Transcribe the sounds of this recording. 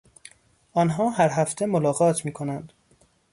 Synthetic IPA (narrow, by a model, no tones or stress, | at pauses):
ʔɒːnɦɒːɦæɾɦæft̪ʰe̞molɒːɣɒːt̪ʰmiːkʰo̞nænd̪̥